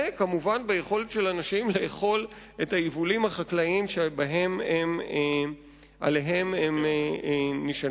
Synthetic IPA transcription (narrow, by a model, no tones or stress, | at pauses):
ekamuvanbejeχo̞let̪ʃe̞lanaʃimleːχo̞l | e̞thajivulimhaχaklaimʃebaɦe̞mem | ʔa̰leɦe̞mem | niʃa